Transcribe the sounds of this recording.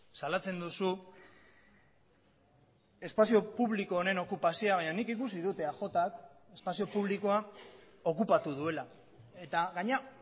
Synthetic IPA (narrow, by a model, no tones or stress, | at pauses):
salat͡se̞nd̪usu | e̞spasio̞puβliko̞ːɾe̞no̞kupasioaβaɲanikikus̬ið̞ut̪e̞axo̞t̪ak | e̞spasio̞puβ̞liko̞a | o̞kupat̪uðue̞la | e̞t̪aɣaɲea